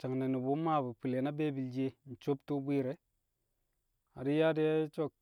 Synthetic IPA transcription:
t͡ʃa˨ŋne˨ni˨bu˦ma˦˨bu˨pi˨le˨na˦be˦bi˨ld͡ʒe˦n̩˨t͡ʃo˦ptu˦bʷi˦ɾe˨ | a˨di˦ja˦di˦ja˦t͡ʃo˦k̚

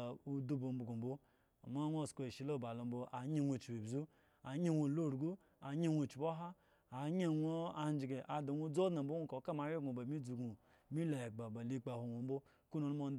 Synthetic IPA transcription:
u˦du˦bo˨m̩˦bu˨ɡo˨bo˦ | a̰˨ma˦nʷ˦o˦˨sko˨e˨ʃi˨˦lo˦˨ba˨lo˨m̩˦bo˦ʔa˨˦ɲe˦nʷo˨t͡ʃi˨bi˨bzu˦ | a˨˦ɲe˦wʷo˨lo˦˨ɾu˨ɡu˦ | a˨˦ɲe˦wʷo˨t͡ʃi˨bo˦ɦa˦ | a˨ɲe˦˨wʷo˦a˨˦n˦d͡ʒi˨ɡe˨ʔa˨do˨wʷo˦d͡zo˦dna˨m̩˨bo˦u˦ko˨˦ka˦ma˨˦ɾi˦ɡu˨ba˨mi˦d͡zu˨ɡu˨ | mi˦la˨ɡ͡ba˨ba˨li˦k͡pa˨ho˨nʷo˨m̩˦bo˦ | ku˦no˨lmo˨n˦

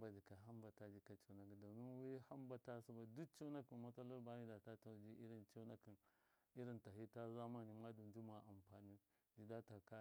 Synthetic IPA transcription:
ba˨d͡ʒi˨ka˨ɦa˦mba˨ta˨d͡ʒi˨ka˨t͡ʃa˨na˨ki˨da˨ni˦n˦wi˦ha˦mba˨ta˦su˨ba˨du˦kt͡ʃa˦na˦ki˨nma˦ta˦la˦ɾba˦ni˦da˨ta˦ta˨˦d͡ʒi˦ʔi˦ɾi˦˨nt͡ʃa˦na˦ki˨n | i˦ɾi˦˨nta˨ɦi˦ta˦za˦ma˦ni˨ma˦du˨d͡ʒi˦ma˨ʔa˨mpa˨ni˦ | d͡ʒi˨da˦ta˨ka˦

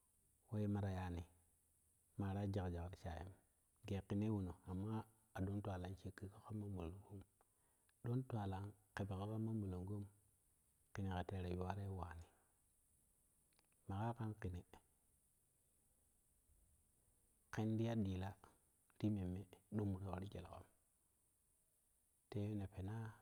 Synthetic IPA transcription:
we˦je˦ma˨ɾa˨ja˨ni˨ | ma˨ɾa˦d͡ʒa˨kd͡ʒa˨kɾi˨t͡ʃa̰˨jḛ˦m | ɡe˨ki˨ne˦wu˨no˨a˨mːa˦ | a˨ɗo˦ntwa˨la˦nt͡ʃe˦kːi˦ka˦ko˦ma˦mu˨lo˨ŋɡo˦m | ɗo˦ntwa˨la˨˦nke˨be˨ka˦ka˦ma˦mu˨lo˨ŋɡo˦m | ki˨ni˨ke˨te˨˦ɾe˨ju˨wa˦ɾe˦waː˨ni˨ | ma˨ka˦ka˦nki˨ni˨ | ke˦n˦di˦ja˦di˨la˦ | ɾi˦me˨mːe˦ɗu˦m˨ke˨wa˨ɾi˦d͡ʒḛ˨lko̰˦m | te˦ne˨pe˨na˦

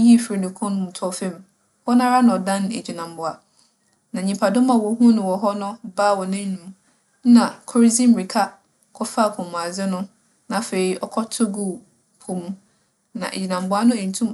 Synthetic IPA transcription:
ji˦˨fɾi˨nʊ̃˨kʰɔ̃˦nʊ̃˦mũ˨tʰɔ˦fẽ˦m˨ | wɔ˦nã˦ɾa˦nã˨ɔ˨dã˦n˨ḛ˨d͡ʑi˨nã˨mbʊ˨a˨ | nã˨ɲĩ˨mpʰa˨dʊ̃˦mã˨wɔ˨˦ɦũ˦nʊ̃˨wɔ˨ɦɔ˦nʊ̃˦baː˦˨wɔ˨nɪ̃˦nũ˨˦m | n̩˦nã˨kʰɔ˦ɾzĩ˦m̩˨ɾi˨kʰa˦ | kʰɔ˦fa˦˨kʰɔ̃˨m̃˨a˨zɪ˦nʊ̃˦ | nã˨fe˨ɾi˨ʔɔ˦kʰɔ˦tʰʊ˦ɡu˦˨ | pʰʊ̃˨mũ˦ | nã̰˨ʔḛ˨d͡ʑi˨nã˨mbʊ˦a˦nʊ̃˦e˨n̩˨tʰũ˦m

